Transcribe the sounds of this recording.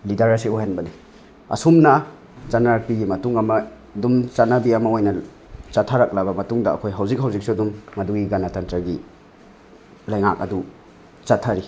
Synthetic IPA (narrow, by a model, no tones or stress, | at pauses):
lidɐɾɐsiojanbɐni | ɐ̰sumna | zanaɾak̚piɡimɐtuŋɐmɐ | dumt͡ʃanabiɐmɐojnɐ | t͡ʃatʰːaɾak̚labɐmɐtuŋdɐ̰ːkʰojɦawzik̚ɦawzik̚sudumːɐduɡiɡanatantɾaɡi | lɐjŋa̰k̚ɐ̰du | t͡ʃatʰːaɾi